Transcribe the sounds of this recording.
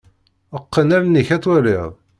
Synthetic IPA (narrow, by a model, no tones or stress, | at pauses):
əqːənæɾnːiçæt͡sːwæɾiðˤ